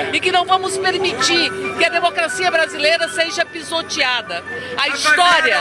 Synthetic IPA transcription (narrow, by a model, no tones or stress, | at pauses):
ɪkɪnɐ̃w̃vɐ̃mʊspeɾmit͡ʃiɾkɪɐd̪emokɾasiɐbɾazilejɾɐseʒɐpizot͡ʃiad̪ɐɐist̪ɔɾiɐ